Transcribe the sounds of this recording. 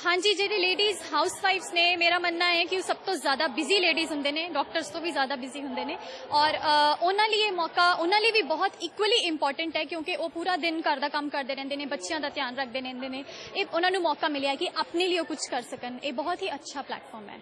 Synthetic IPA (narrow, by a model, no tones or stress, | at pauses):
hãːɲd͡ʒiːd͡ʒeːɾeːleːɖiːzɦaːʊsʋaːɪʋsneːmeːɾaːmənːaːɛːkɪõːsəb̚t̪õːzjaːd̪aːbɪziːleːɖiːzɦʊnd̪eːneːɖɔːk̚ʈəɾzt̪õːʋiːzjaːd̪aːbɪziːɦʊ̃nd̪eːneːɔːɾʊnãːləːeːmɔːkaːʔʊnãːləiːʋiːbɔːt̪iːkwəliːɪmpɔːɾʈəɳʈɛːkjõːkeʔoːpuːɾaːd̪ɪnkəɾd̪aːkəmkəɾd̪eːɾɛ̃ːnd̪eːnẽːbətːʃɪjãːd̪aːt̪ɪjaːnɾək̚ʰd̪eːɾɛ̃ːnd̪eːnẽːeːʊnãːnũːmɔːkaːmɪljaːɛːkɪʔaːpneːləiːoːkʊt͡ʃʰkəɾsəkəneːbɔːt̪ɦiːətːʃʰaːplɛ̰ːʈfʰɔːɾmɛ̰ː